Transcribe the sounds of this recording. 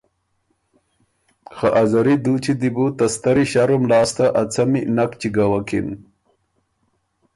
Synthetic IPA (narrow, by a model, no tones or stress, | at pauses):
xaʔazɐɾid̪uːt͡ɕid̪ibut̪ɐst̪ɐɾiɕaɾumlaːst̪aʔat͡sɐminakt͡ɕiɡawakḭn